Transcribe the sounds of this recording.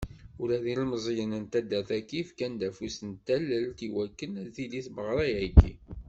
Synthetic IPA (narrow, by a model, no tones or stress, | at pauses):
ʊɾæðilməzˤjənənt̪æd̪æθækːifkænd̪æfusənt̪ːælːəlt̪iwækːənθiliθbəʁɾˤɑjæɡḭ